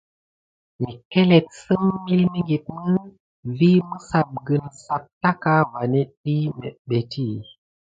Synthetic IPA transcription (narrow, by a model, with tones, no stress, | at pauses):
mi˨ke˦le˨t̚sɨ˦mmi˦lmi˦ŋɡi˨t̚mɨ˦ | vi˦mɨ˦sa˨p̚ɡɨ˨nsa˨p̚ta˦ka˦va˨ni˦ɗi˦mɛ˨ɓe˨ti˦˨